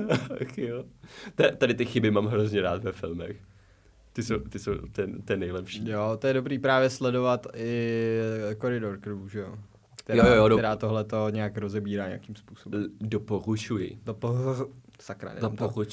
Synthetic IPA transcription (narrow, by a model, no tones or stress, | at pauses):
xjot̪ɛt̪adɪt̪ɪxɪbɪmaːmɦɾozɲɛɾaːt̪vɛfɪlmɛ̰x | t̪ɪsowt̪ɪsowt̪ɛnt̪ɛnɛjlɛpʃijot̪ojɛdobɾiːpɾaːvjɛslɛdo̞vat̪ɪ | koɾɪdoɾkɾɪvuʒɛjo | kt̪ɛjojojoɛɾaːt̪o̞ɦlɛt̪o̞ɲɛakɾozɛbiːɾaːɲɛ̰akimspuːsobdopoɾut͡ʃujɪ̰dopo | sakɾa̰ɛ̰dpou